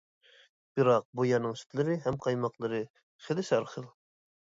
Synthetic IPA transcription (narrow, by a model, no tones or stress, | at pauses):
b̥ɨɾɑq̚bujɑnɨŋsy̥t̪lɪɾɪɦɛmqʰɑjmɑqlˠɤɾɨ | χɪlɪʃɑɾχəlˠ